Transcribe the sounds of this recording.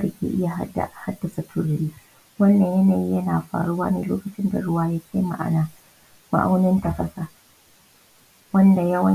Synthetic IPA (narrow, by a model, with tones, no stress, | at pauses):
da˨kʲḛː˨ʔɪ˦ja˨ɦa˦da̰˨ʔha˦dːɐ˨sa˨tʰʊ˨ɽɾiː˦ | wɐ˦nːɐ˨ɲjɐ˦naː˨ji˦jɐ˦naː˨ɸa̰ː˨ɽʊ˦waː˦neː˨loː˦kɐ˨t͡ʃɪ˦nda̰˨ɽʊ˦waː˦ja˦kʲʰa˦ma̰˦ʔa̰˦naː˨ | ma̰˨ʔa̰˦wnɪ˦ntɐ˨kɐ˦sa˨ | wɐ˦nda˨jɐ˦wɐ˦